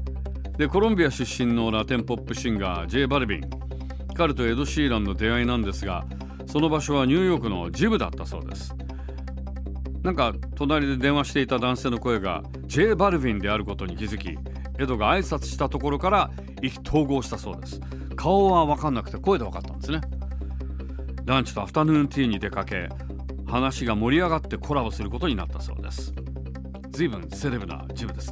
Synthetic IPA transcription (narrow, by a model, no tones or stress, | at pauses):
d̪e̞ko̞ɾõmbʲijaɕɨɕːĩnːo̞ɾat̪ẽ̞mpo̞pːɯ̟ɕĩŋɡa̰d͡ʑe̞ːbaɾɯ̟bʲḭ̃ŋ | kaɾɯ̟t̪o̞e̞d̪o̞ɕiːɾãnːo̞d̪e̞ainãnd̪e̞sɨɡa̰ | so̞no̞baɕo̞β̞aɲ̟ɨ̟ːjo̞ːkɯ̟no̞̰d͡ʑibɯ̟d̪a̰t̪ːaso̞̰ːd̪e̞̰sɨ̥ | nãŋka | t̪o̞naɾʲid̪e̞d̪ẽ̞ɰ̃aɕi̥t̪e̞it̪ad̪ãse̞ːno̞ko̞e̞ɡa̰ | d͡ʑe̞ːbaɾɯ̟bʲĩnd̪e̞aɾɯ̟ko̞t̪o̞ɲ̟ikʲizɨkʲḭ | e̞d̪o̞ɡaːisat͡sɨ̥ɕi̥t̪at̪o̞ko̞ɾo̞kaɾa | ikʲi̥t̪ʰo̞ːɡo̞ːɕi̥t̪aso̞ːd̪e̞sɨ̥ | kʰaoβaβakãnːakɯ̟t̪e̞ko̞e̞d̪e̞βaka̰t̪ːãnd̪esɨne̞ | d̪ãɲ̟t͡ɕi̥t̪o̞aɸɯ̥t̪anɯ̃ːnt̪ʲiɲ̟id̪e̞kake̞̰ | hanaɕiɡamo̞ɾʲiaɡat̪ːe̞kʰo̞ɾabɯsɨɾɯ̟ko̞t̪o̞ɲ̟ina̰t̪ːaso̞̰ːd̪e̞̰sɨ̥ | d͡zɨiːbɯ̟̃se̞ɾe̞bɯ̟na̰d͡ʑibɯ̟d̪es